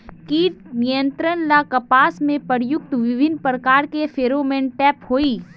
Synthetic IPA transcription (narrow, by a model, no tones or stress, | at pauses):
kiːt̪nijə̃nt̪ɾənlakəpaːsmẽpəɾjʊk̚t̪ʋɪbʱɪnpɾəkaːɾkefʰeːɾoːmẽnʈɛːphoːiː